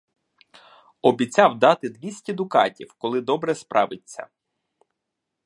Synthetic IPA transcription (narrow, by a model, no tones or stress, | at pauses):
ɔbʲit͡sʲɑwd̪ɑt̪ɪd̪ʋʲisʲtʲɛd̪ʊkɑ̰tʲiwkɔlˠɪd̪ɔbɾɛspɾʔɑ̰ʋɪt͡sʲːɐ̰